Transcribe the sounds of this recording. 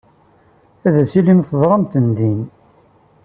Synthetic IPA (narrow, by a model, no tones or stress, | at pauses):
æðæsilimθəzˤɾˤɑmt̪ənd̪in